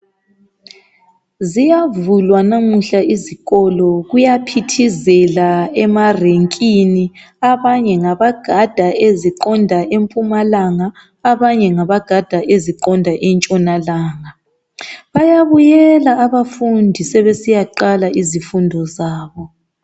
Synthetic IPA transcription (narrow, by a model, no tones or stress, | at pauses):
zijavulwanamuɬaiziɣɔlɔɣujapʰitʰizɛlaɛmareŋkʼini | aβaɲɛŋaβaɡ̥ʱad̥ʱaeziǃɔndʱaʔempʼumalaŋaː | βaɲɛŋaβaɡ̥ʱad̥ʱaʔeziǃɔndʱaʔɛnt͡ʃʼɔnalaːŋa | βajaβujɛlaːβafundʱisɛβesijaǃalaʔizifundʱɔzaːβɔ